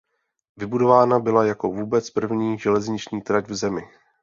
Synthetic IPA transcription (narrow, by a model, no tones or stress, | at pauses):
vɪbudo̞vaːnabɪlajako̞vuːbɛt͡spr̩vɲiːʒɛlɛzɲɪt͡ʃɲiːt̪ɾacvzɛmɪ